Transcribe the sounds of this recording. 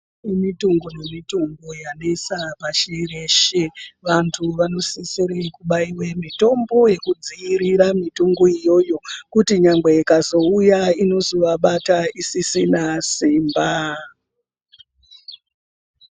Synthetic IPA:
imitoŋɡone̞mitoŋɡojanesapaʃire̞ʃeʋantʰuʋano̞sisiɾikuɓaiwe̞mito̞mbo̞je̞kud͡ziiɾiɾamituŋɡoijo̞jo̞kutiɲaŋɡe̞ikazo̞ujaino̞zoʋaɓataisisinasiːmba

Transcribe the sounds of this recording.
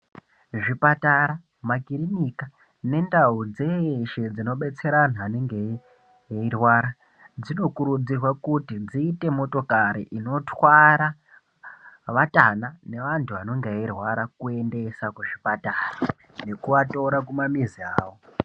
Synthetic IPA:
ʐipataɾa | maɡʱirinika | ne̞ndaud͡zeʃe̞d͡zino̞ɓe̞t͡se̞ɾanaːneŋɡe | eirwaɾa | d͡zino̞kuɾud͡zirwakutid͡ziːte̞mo̞to̞kaɾḭʔino̞tʰwaɾa | ʋatanane̞ʋantʰuʋano̞ŋɡeeirwaɾakue̞nde̞sakuʐipataːra | ne̞kuʋato̞ɾakumamiziaːwo

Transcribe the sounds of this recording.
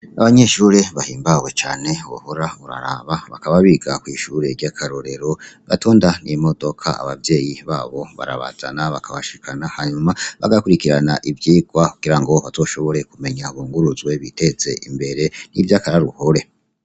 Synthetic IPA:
aβaɲe̞ʃuːɾe̞βahiːmbaɡwe̞t͡ʃa̰ːne̞wo̰hoɾauɾa̰ɾa̰βaβa̰kaβaβiɡakwiːʃuːɾe̞ɾɟakʰaɾoɾe̞ɾo̞ɡ̥atʰo̞ːndanimo̞do̞kʰa̰a̰βavje̞ːjiβaːβo̞βa̰ɾa̰βa̰z̥a̰naβakʰaβaʃikʰanahaɲumaβaɡakuɾikiɾanaʔivjiːɡwakuɡ̥iɾaŋɡo̞βazo̞ːʃo̞βo̞ɾe̞kume̞ɲaβuːŋɡuɾuzɡwe̞βite̞t͡se̞ʔimbe̞ɾe̞nivjakaɾaɾuhoɾe̞

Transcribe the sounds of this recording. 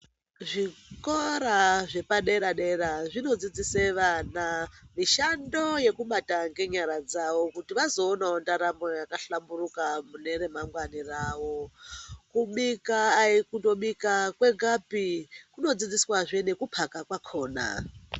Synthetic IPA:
ʐikoɾaʐe̞paɗe̞ɾaɗeɾaʐino̞d͡zid͡ziseʋanamiʃando̞je̞kuɓataŋɡe̞ɲaɾad͡zaʋo̞kutiʋazo̞ːnaondaɾamojakaɬamburukamune̞re̞maŋɡwaniraːʋo̞kuɓikaːikundo̞ɓikakwe̞ɡʱapikuno̞d͡zid͡ziswaʐenekupʰakakwakʰo̞ːna̰

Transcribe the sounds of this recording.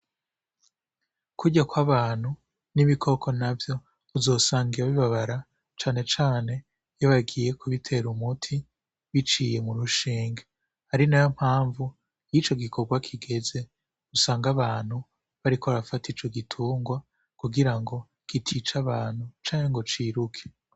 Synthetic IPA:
kuɟakwaβaːn̥hu | niβikʰo̞kʰo̞navjo̞ː | zo̞ːsaːŋɡiɾaβiβaβaɾa | t͡ʃaːne̞t͡ʃaːne̞ | joβaɡije̞kuβitʰe̞ɾumutʰi | βit͡ʃije̞muɾuʃiːŋɡa | haɾinajom̥haːɱvu | jit͡ʃo̞ɡikʰo̞ɡwakʰiɡe̞ze̞ | usaːŋɡaβaːn̥hu | βaɾikʰoɾafatiːt͡ʃoɡitʰuːŋɡwa | kuɡiɾaŋɡo̞ | kitʰit͡ʃaβaːn̥hut͡ʃaːɲeŋɡo̞t͡ʃiːɾukʰe̥

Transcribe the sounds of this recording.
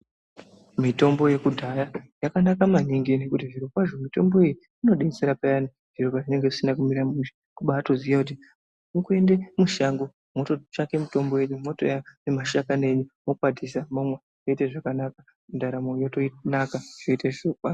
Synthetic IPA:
mito̞mbo̞je̞kudʱajajakanakamaniŋɡine̞kutiʐiɾokwaʐo̞mito̞mbo̞eji | ino̞ɗeit͡seɾapajani | ʐ̥iropwaʐine̞ŋɡe̞ʐisinakumiɾamuʃḁ | kuɓaːto̞zijakut̬i | ikue̞ndemuʃaŋɡo | mo̞to̞t͡ʃake̞mito̞mbo̞je̞ɲumo̞to̞̰janemaʃakane̞ɲumo̞kwadʱisamomwa | toiteʐakanaka | mundaɾamojotonakaʐ̥oiteʐokwa

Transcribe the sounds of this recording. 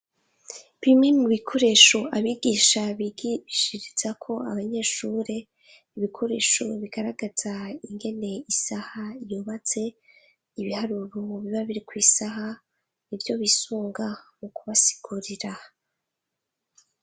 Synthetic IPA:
βimŋe̞muβikʰo̞ɾe̞ːʃoʔaβiɡiːʃaβiɡβiʃiɾiz̥akʰo̞a̰βaɲe̞ːʃuɾe̞ | iβikʰo̞ɾe̞̰ːʃoβiɡ̥aɾaɡaz̥aiŋɡe̞ne̞isahajuːβat͡se̞ | iβihaɾuɾuβiβaβiɾikwiːsaɦa | nivjo̞βisuːŋɡamukuβasi̥ɡ̥uɾiɾa

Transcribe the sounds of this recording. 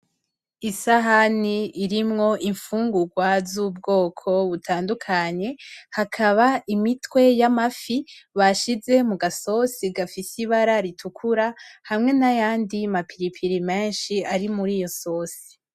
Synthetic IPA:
isaɦaniːɾimŋo̞ʔiɱfuːŋɡuɡwazuːbɡo̞ːkʰo̞βutʰaːndukʰaɲe̞hakʰaβaʔimitwe̞jamafiβaʃize̞muɡaso̞siɡafisiβaɾaɾitʰukʰuɾahamŋe̞najaːndimapʰiɾipʰiɾime̞ːnʃiaɾimuɾiːjo̞so̞ːsi̥

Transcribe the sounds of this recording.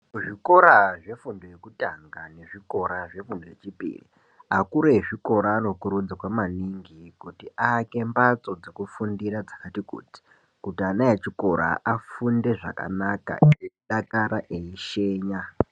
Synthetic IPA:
ʐiko̞ɾaʐe̞fundojekutaŋɡane̞ʐiko̞ɾaʐe̞fundoje̞t͡ʃipḭːrḭ | akuɾeʐiko̞ɾaːno̞kuɾud͡zikwamaniŋɡikutiʔaːke̞mbat͡so̞d͡zekufundiɾad͡zakatikṵːti̥ | kutianajet͡ʃiko̞ɾa̰ʔafunde̞ʐa̰ka̰naka̰ieɗakaɾaʔeiʃe̞ːɲa

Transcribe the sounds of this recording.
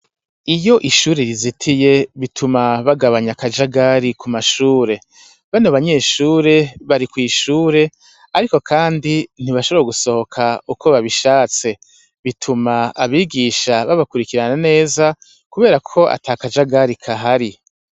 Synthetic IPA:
ijo̞ʔiʃuːɾeɾizitʰije̞βitʰumaβaɡaβaɲakad͡ʒaɡaɾikumaʃuːɾe̞ | βanoβaɲe̞ʃuːɾe̞βaɾikwiːʃuːɾe̞ | aɾiko̞kʰaːndin̥iβaʃoβeaɡuso̞ho̞kʰaukʰo̞βaβiʃaːt͡se̞ | βitʰumaaβiːɡiʃaβaβakuɾikiɾanane̞ːza | kuβe̞ːɾakʰo̞ʔa̰tʰaːkad͡ʒaɡaɾikʰaɦaɾi

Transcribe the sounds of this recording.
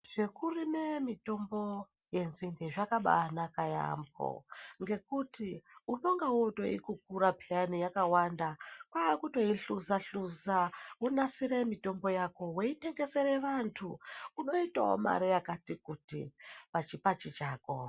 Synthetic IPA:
ʐ̥e̞kurimemito̞mbo̞ | je̞nzindeʐakaɓa̰nakaja̰mbo̰ŋɡe̞kutiuno̞ŋɡawoto̞̰ḭkuk̚uɾapʰeanijakawandakwaːkuto̞iɬuzaɬuzaunasiɾemito̞mbo̞jako̞weite̞ŋɡe̞se̞ɾe̞ʋantʰuuno̞ita̰o̰ma̰ɾijakatikutḭʋat͡ʃipat͡ʃit͡ʃaːko

